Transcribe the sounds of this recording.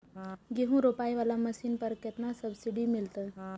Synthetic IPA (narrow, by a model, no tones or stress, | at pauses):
ɡeɦũɾoːpaːiʋaːlamɐʃiːnpɐɾket̪nasɐbsiɖimɪlt̪ə